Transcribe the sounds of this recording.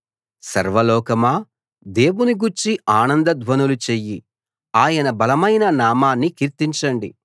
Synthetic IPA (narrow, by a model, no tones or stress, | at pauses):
sɐɾʋɐlɔːkɐmaː | d̪e̞ːwuniɡuɾt͡ʃiaːnɐnd̪ɐd̪ʱʋɐnulut͡ʃejːi | aːjɐnɐbɐlɐmɐjnɐnaːmaːnːikiɾt̪iɲt͡ʃɐɳɖḭ